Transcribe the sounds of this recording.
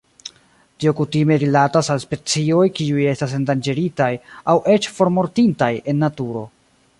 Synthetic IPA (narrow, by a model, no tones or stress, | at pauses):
tio̞kutime̞ɾilatasalspe̞t͡sio̞jkiuje̞stas̬e̞ndand͡ʒe̞ɾitajawʔe̞t͡ʃfo̞ɾmo̞ɾtintaje̞nːatuɾo̞̰